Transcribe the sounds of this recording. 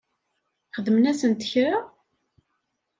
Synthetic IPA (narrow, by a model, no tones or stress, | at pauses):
χəðmnæsənt̪ə̥çɾa